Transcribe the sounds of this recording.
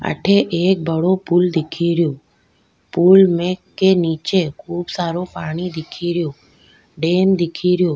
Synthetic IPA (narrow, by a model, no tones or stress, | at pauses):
ə̰ʈʰeʔeːk̚bəɽopuːld̪ɪkʰiɾjoː | puːlmẽkːeniːt͡ʃekʰuːbsaːɾopaːɽ̃id̪ɪkʰiɾɪjoː | ɖeːnd̪ɪkʰiɾjoː